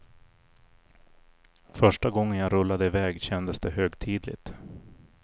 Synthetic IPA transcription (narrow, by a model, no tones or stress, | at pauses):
fœʂʈaɡɔŋːənjaɾɵlːad̪əɪvɛːɡɕɛnd̪əsd̪ɛɦøːɡt̪ʰiːd̪lɪ̰t̪